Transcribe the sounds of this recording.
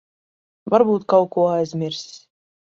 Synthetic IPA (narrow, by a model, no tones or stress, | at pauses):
vaɾbuːt̪̚kawkuːæzʲmʲiɾsʲ